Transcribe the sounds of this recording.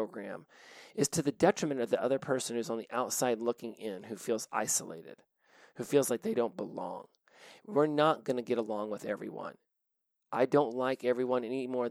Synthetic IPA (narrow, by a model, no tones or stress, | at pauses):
ʊɡɹæ̰̃mɨz̥tʰɨðɨdɛt͡ʃɹ̥ɨmɨ̃ñʌvðiʔʌðə˞pʰɜ˞sn̩hʉzn̩ðiʔaʊtsaɪdˡlʊkɪ̃ŋɪ̃nhʉfilˠza̰ɪsəlḛɪɾɪ̰d̥ | hʉfilˠzlaɪk̚ðeɪɾõʊ̃nb̥əlɔ̰̃ŋ | wɪɹnət̚ɡ̥ʌnɨɡɛɾəlɔ̃ŋwəðɛ̰vɹḭwʌ̰̃n | ʔaɪdõʊ̃ntˡlaɪkɛvɹiwʌ̃nɛnimɔɹ